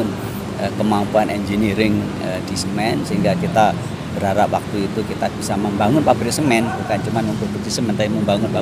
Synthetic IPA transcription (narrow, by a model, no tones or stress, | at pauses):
ʊn | əkəmampuanʔɛnd͡ʒeniɾɪŋ | əd̥isəmɛnsəɦiŋɡakit̪a | b̥əɾaɾap̚wak̚t̪uit̪ukit̪ab̥isaməmbaŋʊnpabəɾisəmɛnbukant͡ʃumanməmpərbud̪isəmɛnt̪aiməmbaŋʊnpa